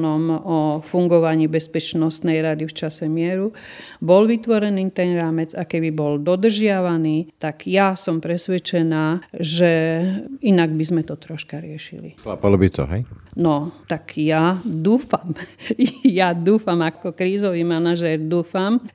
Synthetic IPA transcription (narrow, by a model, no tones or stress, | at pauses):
nɔmɔfuŋɡɔʋaɲiːbɛspɛt͡ʃnɔst̪nɛjɾad̪ift͡ʃasɛmɪɛɾu | bɔlʋit̪ʋɔɾɛniːt̪ɛnɾaːmɛd͡zakɛbibɔld̪ɔd̪r̩ʒɪaʋaniːt̪aɡjasɔmpɾɛsʋɛt͡ʃɛnaːʒɛ | inaɡbizmɛt̪ɔt̪ɾɔʃkaɾɪɛʃḭlḭxlapalɔbit̪ɔ̰ɦɛ̰jnɔt̪akjad̪uːfam | jad̪uːfamakɔkɾiːzɔʋiːmanaʒɛɾd̪uːfam